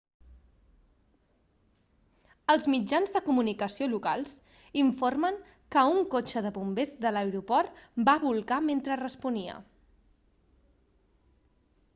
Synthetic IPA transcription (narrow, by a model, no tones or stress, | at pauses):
əlˠzmid͡ʒanzðəkumunikəsioluka̰lˠz | iɱforməŋ | kəuŋkot͡ʃəðəpumbezd̪ələwɾupɔrt̪baβulˠɣament̪ɾərəspuniə̰